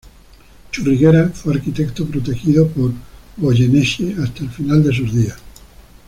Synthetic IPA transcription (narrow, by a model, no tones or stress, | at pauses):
t͡ʃuriɣeɾafweaɾkit̪ekt̪opɾot̪e̞xiðopoɾβoʝeneʃeast̪aelfinald̪e̞suzðias